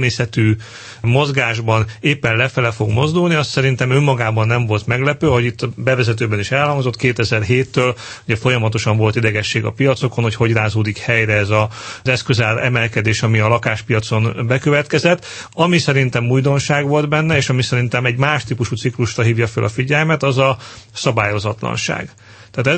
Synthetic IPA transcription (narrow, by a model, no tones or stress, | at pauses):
meːsɛt̪yː | mo̞zɡaːʒbɒneːpːɛnlɛfɛlɛfo̞ɡmo̞zd̪ulniɒst̪sɛɾint̪ɛmømːɒɡaːbɒnːɛɱvo̞lt̪mɛɡlɛpøːɦoɟit̪ːbɛvɛzɛt̪̬øːbɛniʃɛlhɒŋzo̞t̪ːkeːt̪ɛzɛrɦeːt̪ːøːl | uɟɛfo̞jɒmɒt̪o̞ʃɒɱvo̞lt̪id̪ɛɡɛʃːeːɡɒ̰pijɒt̪so̞ko̞nho̞cho̞ɟraːzoːd̪ikhɛjɾɛɛzɒzɛskøzɛrɛmɛlkɛd̪eːʃɒmiɒlɒkaːʃpijɒt̪so̞nbɛkøvɛt̪kɛzɛt̪ː | ɒmisɛɾint̪ɛmuːjd̪o̞nʃaːɡʋo̞ld̪bɛnːɛeːʃɒmisɛɾint̪ɛmɛɟmaːʃt̪ipuʃut̪sikluʃrɒɦiːvjɒfø̰lʔɒfiɟɛlmɛt̪ɒzɒsɒbaːjo̞zɒt̪lɒ̰nʃa̰ːɡ̥ | t̪aːt̪ɛ